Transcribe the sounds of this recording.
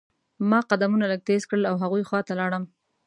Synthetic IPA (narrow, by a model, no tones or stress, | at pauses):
mɑqad̪amunaləɡ̚t̪ezkɽəlawɦaɣujxwɑt̪alɑɽəm